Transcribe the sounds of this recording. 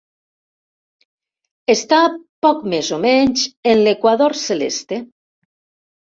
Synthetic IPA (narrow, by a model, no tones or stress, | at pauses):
est̪apɔkmezomɛɲt͡ʃenlekwaðoɾselḛst̪e